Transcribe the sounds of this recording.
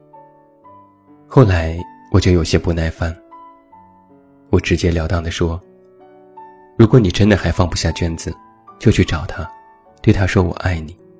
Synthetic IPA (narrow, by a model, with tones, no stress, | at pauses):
xo˥˩ʊla˧˥ɪwʔɔ˨˩t͡ɕjo˥˩ʊjo˨˩ʊɕjɛ˥pu˧˥na˥˩ɪfa˥˩n | wɔ˨˩ʈ͡ʂɻ̩˧˥t͡ɕjɛ˥ljɑ˨˥ʊt̪ɑ˥˩ŋd̪ə˩ʂwɔ˥ | ɻu˧˥kwɔ˧˥ni˨˩ʈ͡ʂə˥nd̪ə˨xa˧˥ɪfɑ˥˧ŋpu˧˥ɕja˥˩t͡ɕɥɛ˥nd͡zɹ̩˨˩ | t͡ɕjo˥˧ʊt͡ɕʰy˥˩ʈ͡ʂɑ˨˩ʊt̪ʰa˥ | t̪we˥˩ɪt̪ʰa˥ʂwɔ˥wɔ̰˨˩ʔa˥˩ɪni˨˩˦